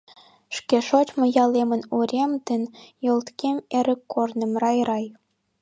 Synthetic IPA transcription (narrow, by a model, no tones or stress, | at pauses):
ʃkʲeʃot͡ɕmɤ̆jɑlemə̆nuɾʲemd̪ɘ̆njolˠt̪kʲemeɾʲə̆kːornə̆mrɑjɾɑj